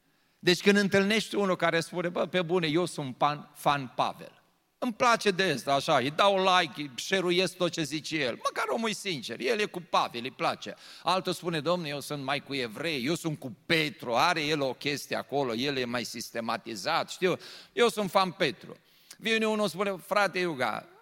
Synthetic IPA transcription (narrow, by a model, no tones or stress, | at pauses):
d̪e̞t͡ʃʲkɨnd̪ɨnt̪ɨlne̞ʃt̪eunulkaɾespune̞bəpebune̞jewsunt̪panfanpa̰vḛl | ɨmplat͡ʃe̞d̪est̪aːʃaid̪aolajkʃeɾuje̞sk̚t̪ot͡ʃe̞zit͡ʃeje̞lməkaɾo̞mujsint͡ʃerjelje̞kupavilɨjplat͡ʃḛalt̪ospune̞d̪o̞mnejewsunt̪majkue̞vɾe̞jje̞wsunt̪̚kupet̪ɾuaɾe̞je̞lo̞kʲe̞st̪iea̰ko̞lo̞je̞ljemajsist̪e̞mat̪izat̪ʃt̪iwjewsunt̪fanpe̞t̪ɾṵ | vineunuspunefɾat̪ejuɡa̰